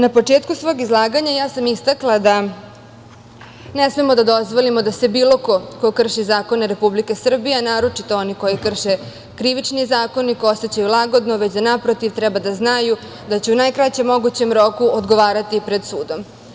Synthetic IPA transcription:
napo̞t͡ʂe̞ːt̪kusʋo̞ːɡizlˠaːɡaɲajaːsamist̪aklˠad̪a | nesmemo̞d̪ad̪o̞zʋo̞limod̪ase̞biːlo̞ko̞kokr̩ʃizaːko̞neɾe̞publikesr̩bijenaːɾo̞t͡ʂit̪o̞o̞niko̞jikr̩ʃe | kɾiʋit͡ʂnizaːko̞nikooset͡ɕajulˠaɡo̞d̪noʋet͡ɕd̪anapɾot̪iʋt̪ɾɛbad̪aznaju | d̪at͡ɕeunajkɾat͡ɕemːo̞ɡut͡ɕe̞mɾo̞kuod̪ɡoʋaːɾat̪ipɾe̞d̪suːd̪o̞m

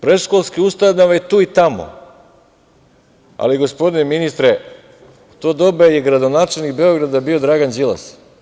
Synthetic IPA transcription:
pɾeʃkolˠskiust̪anaʋajet̪uːit̪amo̰ | a̰liɡo̞spo̞d̪ineminist̪ɾe | t̪oːd̪o̞bejeɡɾad̪onaːt͡ʃelnikbeoɡɾad̪abiod̪ɾaɡand͡ʒilˠa̰s

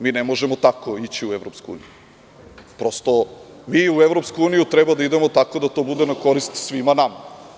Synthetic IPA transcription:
miːnemo̞ʒemot̪ako̞it͡ɕiueʋɾopskoṵniju | pɾost̪o̞ | miueʋɾo̞pskuuːnijut̪ɾebad̪aid̪e̞mo̞t̪ako̞d̪at̪oːbud̪enako̞ɾist̪sʋimanama

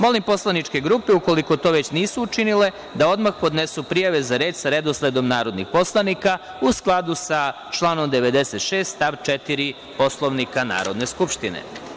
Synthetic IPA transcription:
mo̞limpo̞slˠanit͡ʂke̞ɡɾuːpeuko̞liko̞t̪o̞ːʋe̞t͡ɕniːsuːt͡ʃinile̞ | d̪ao̞d̪maxpo̞d̪nesupɾijaʋe̞zaɾe̞ːd̪saɾe̞d̪oslˠed̪o̞mnaːɾo̞d̪nixpo̞slˠanika | usklˠad̪usa | t͡ʃlˠaːno̞md̪e̞ʋe̞d̪e̞set̪ʃeːst̪t̪aʋt͡ʃet̪iɾi | po̞slˠo̞ʋnikana̰ːɾo̞d̪ne̞skupʃt̪inḛ

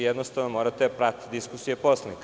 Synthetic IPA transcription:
jed̪nost̪aʋnomoːɾat̪epɾat̪d̪iskusijepo̞slˠanik

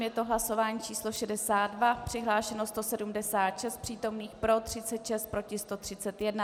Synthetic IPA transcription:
jɛt̪oɦlaso̞vaːɲiːt͡ʃiːslo̞ʃɛdɛsaːd̪dvapr̥ɪɦlaːʃɛnost̪osɛdumdɛsaːt̪ʃɛst̪̚pr̥iːt̪o̞mniːxpɾo̞t̪r̝̥ɪt͡sɛt̪ʃɛst̪̚pɾo̞cɪst̪o̞t̪r̝̥ɪt͡sɛt̪jɛdna

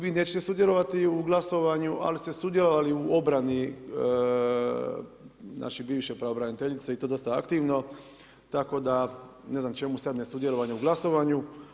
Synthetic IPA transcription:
ʋiːne̞t͡ʃet̪e̞sud̪je̞lˠo̞ʋat̪iuɡlˠaso̞ʋaɲuʔa̰list̪e̞sud̪jelo̞ʋaliuo̞bɾani | nʔa̰ʃibiːʋʃepɾaobɾanit̪eʎit̪seit̪od̪o̞st̪aa̰kt̪iʋno̞ | t̪ako̞d̪a | ne̞znamt͡ʃe̞musad̪nesud̪je̞lˠo̞ʋaɲeuɡlˠaso̞ʋaːɲu

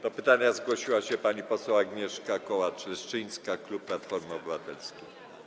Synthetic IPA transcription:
t̪ɔpɘt̪aɲazɡwɔɕiwaɕɛpaɲipɔsɛwaɡɲɛʂkakɔwat͡ʂlɛʂt͡ʂɘj̃skaklup̚pːlat̪fɔɾmɔbɘvat̪ɛlskʲij

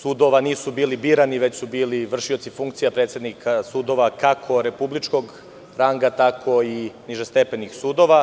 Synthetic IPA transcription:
suːd̪o̞ʋaniːsubiːlibiːɾaniʋe̞t͡ɕsubiːliʋr̩ʃiot̪sifuŋk̚t̪sijapɾet̪sje̞d̪nikʰasuːd̪o̞ʋakakʰoɾe̞publit͡ʃko̞ɡ | ɾaŋɡat̪akʰo̞iniʒest̪epenixsuːd̪o̞ʋa

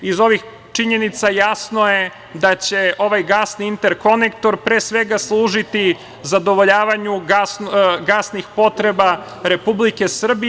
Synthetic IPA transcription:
izo̞ʋix | t͡ʂiɲe̞nit̪sajasno̞je̞ | d̪at͡ɕe̞o̞ʋajɡasniint̪eɾko̞nekt̪o̞ɾpɾe̞ːsʋe̞ɡaslˠuːʒit̪i | zad̪o̞ʋo̞ʎaːʋaɲuɡasɡasnixpo̞t̪ɾe̞ba | ɾe̞publike̞sr̩bi

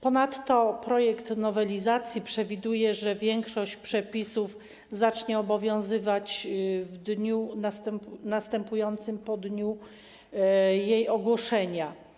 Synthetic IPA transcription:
pɔnat̪ːɔpɾɔjɛkt̪nɔvɛlʲizat̪sʲjipʂɛvʲid̪ujɛʐɛvʲjɛŋkʂɔɕt͡ɕpʂɛpʲisuf | zat͡ʂɲɛɔbɔvʲjɔ̃w̃zɘvat͡ɕvd̪ɲunast̪ɛmpnast̪ɛmpujɔnt̪sɘmpɔd̪ɲu | jejɔɡwɔʂɛɲa

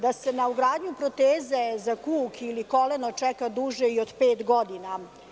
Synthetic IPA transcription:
d̪ase̞nauɡɾaːd̪ɲupɾot̪eːze̞zakuːkʰiliko̞lenot͡ʂɛkad̪uʒeiod̪peːt̪ɡo̞d̪ina

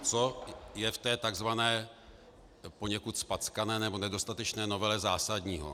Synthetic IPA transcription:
t͡sojɛft̪ɛːt̪aɡzvanɛː | po̞ɲɛkut̪spat͡skanɛːnɛbo̞nɛdo̞st̪at̪ɛt͡ʃnɛːno̞vɛlɛzaːsadɲiːɦo̰

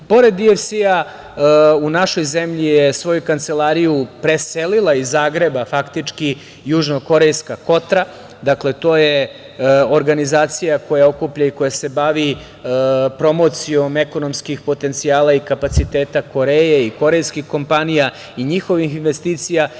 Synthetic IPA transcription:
po̞ɾe̞d̪ːiefsia | unaʃo̞jzemʎijesʋo̞jukant̪se̞lˠaːɾijupɾeselilˠaizaːɡɾe̞bafakt̪it͡ʂki | juʒnoko̞ɾejskako̞t̪ɾa | d̪akle̞t̪o̞ːje | oɾɡanizaːt̪sijako̞jao̞kupʎaiko̞jase̞baʋi | pɾo̞mo̞t̪sio̞meko̞no̞mskixpo̞t̪e̞nt̪siaːlaikapat̪sit̪eːt̪ako̞ɾejeiko̞ɾe̞jskixko̞mpanija | iɲixo̞ʋixinʋe̞st̪iːt̪sija

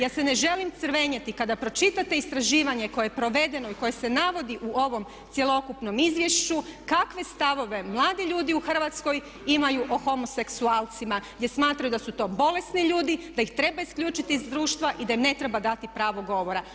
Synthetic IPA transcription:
jaːse̞ne̞ʒe̞limt̪səɾʋe̞ɲet̪ikad̪apɾo̞t͡ʃit̪at̪e̞ist̪ɾaʒiːʋaɲe̞ko̞jeepɾo̞ʋe̞d̪e̞noiko̞je̞se̞naʋo̞d̪iʔuo̞ʋo̞m | t̪sje̞lo̞kupno̞mizʋje̞ʃt͡ʃukakʋe̞st̪aʋo̞ʋe̞mlˠaːd̪iʎuːd̪iuxr̩ʋat̪sko̞j | imajuʔo̞xo̞mose̞ksuaːlt̪simaɡd̪ʲjesmaːt̪ɾajud̪asut̪o̞ːbo̞le̞sniʎuːd̪id̪ajixt̪ɾe̞baiskʎuːt͡ʃit̪iːzd̪ɾuːʃt̪ʋaʔid̪aimne̞t̪ɾe̞bad̪at̪ipɾaːʋo̞ɡo̞ʋo̞ɾa

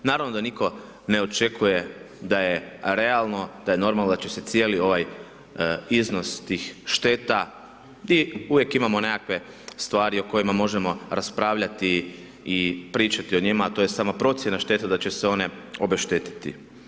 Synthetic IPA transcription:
naːɾaʋno̞d̪aniko̞ | ne̞o̞t͡ʃe̞kʰuje̞ | d̪ajeɾe̞alˠno̞d̪̥aje̞no̞ɾmalnod̪at͡ʃeset̪sje̞ːlio̞ʋaj | izno̞st̪iːxʃt̪eːt̪a | d̪iuʋje̞kimamo̞ne̞kakʋe̞ | st̪ʋaːɾio̞ko̞jimamo̞ʒemo̞ɾaspɾaːʋʎat̪iː | pɾiːt͡ʃat̪io̞ɲimaːt̪o̞je̞saːmapɾo̞t̪sje̞naʃt̪e̞t̪ad̪at͡ʃe̞seo̞ne̞o̞beʃt̪et̪i̥t̪ḭ

